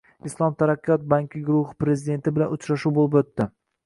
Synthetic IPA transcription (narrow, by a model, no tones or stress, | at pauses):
islˠɒmt̪ʰaɾakʲːjɒt̪̚baŋkʲɪɡɾʊhɪ̥pɾe̞zɪd̪e̞nt̪ʰɪbɪlanʊt͡ʃɾaʃuwbolɪpot̪ːɪ